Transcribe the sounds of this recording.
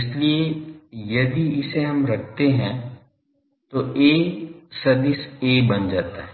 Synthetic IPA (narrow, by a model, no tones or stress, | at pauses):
ɪsliejɐd̪iɪseɦɐmɾɐk̚ʰt̪eɦɛ̃ | t̪oeːsɐd̪ɪseːbɐnd͡ʒaːt̪aɦɛ